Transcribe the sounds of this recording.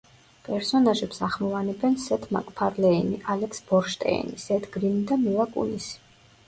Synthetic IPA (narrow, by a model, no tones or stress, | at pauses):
pʼɛɾsɔnaʒɛpsaʁmɔvanɛbɛnsɛt̪ʰma̰kʼpʰaɾlɛiniʔalɛksb̥ɔɾʃt̪ʼɛ̰ḭnisɛt̪ʰɡɾinid̪amilˠakʼṵnisi̥